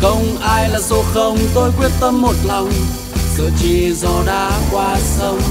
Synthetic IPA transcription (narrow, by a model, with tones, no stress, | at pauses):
xə˧wŋ͡mʔaː˧jlaː˨˩zo˧˩xə˧wŋ͡mt̪o˧jkwi˦˥ət̚t̪ə˧mːo˨˩t̚la˨˩wŋ͡m | zɨ̰˧˨t͡ɕi˧˩zɔ˧˩ɗaː˧kwaː˧sə˧wŋ͡m